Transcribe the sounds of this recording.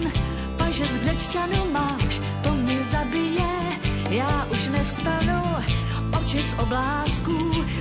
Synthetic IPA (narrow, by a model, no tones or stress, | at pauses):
n | paʒɛzbrɛt͡ʃcanɪmaːʃ | t̪omɲɪzabɪjɛ | jaːʔuʃnɛfst̪anu | ʔot͡ʃɪsʔoblaːsku